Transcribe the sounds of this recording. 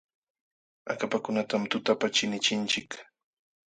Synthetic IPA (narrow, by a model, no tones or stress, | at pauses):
a̰kapakʊnat̪amt̪ʊt̪apat͡ʃɪnɪt͡ʃɪnt͡ʃɪk